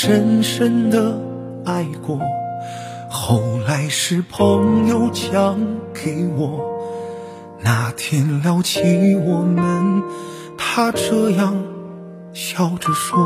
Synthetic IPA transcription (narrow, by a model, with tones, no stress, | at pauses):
ʂə˥nʂə˥nd̪ə˨ | a˥˧ɪkwɔ˧˩ | xo˥˩ʊla˧˥ɪʂɻ̩˥˧pʰɤ˧˥ŋjo˧˩ʊt͡ɕʰjɑ˧˥ŋke˧˩ɪwɔ˨˩˦ | na˧˩t̪ʰjɛ˥nljɑ˥ʊt͡ɕʰi˧˥wɔ˨˩mə˦n | t̪ʰa˥ʈ͡ʂɤ˥˧jɑ˥˩ŋ | ɕjɑ˥˩ʊʈ͡ʂə˧˩ʂwɔ˥